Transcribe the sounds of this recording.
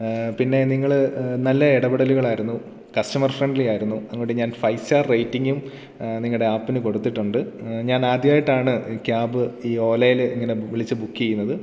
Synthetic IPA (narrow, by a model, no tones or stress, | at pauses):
pinːe̞niŋːɐɭnɐlːɐiɽɐbiɽɐluɣɐɭaːjiɾunːu | kɐsʈɐmɐrfreɳɖlijaːjiɾunːuɐŋːuuɽeɲaːnfɐjsaːrrɐjtːiŋɡum | niŋɐɭɽe̞aːpːinɨko̞ɽut̪ːiʈːuɳɖɨɲaːnaːd̪jaːjiʈːaːɳɨkaːbɨiːo̞ːlɐjiliŋːɐne̞ʋiɭit͡ɕːɨbukːijejːunːɐðɨ